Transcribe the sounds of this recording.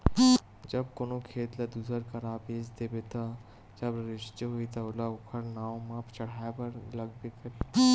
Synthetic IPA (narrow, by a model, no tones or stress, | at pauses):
d͡ʒɐb̚koːnokʰeːt̪lad̪uːsəɾkɐɾaːbeːd͡ʒd̪eːbet̪ʰa | d͡ʒɐbɾɪʃt͡ʃɦoit̪aʊlaʊkʰəɾnãːmãːpt͡ʃɐɽ̤aːepɐɾlɐɡ̚bekəɾ